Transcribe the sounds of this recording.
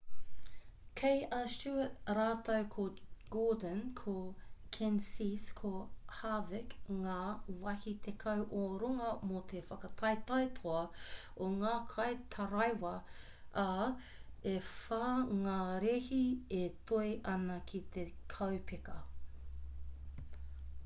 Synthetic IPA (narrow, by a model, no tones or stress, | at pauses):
kʰejɐst͡ʃuɾaːt̪ɐwkʰoɡ̥oːdənkʰokʰɛnsiskʰohavɪkŋaːwɐhit̪ʰekʰɐwʔoɾoŋɐmot̪ʰefɐkɐt̪ʰɐjt̪ɐjtʰoɐ | oŋaːkʰɐjt̪ʰɐɾɐjwɐ | ʔɐ | efaŋaːɾehiet̪ʰojʔɐnɐkʰit̪ʰekʰɐwpʰekɐ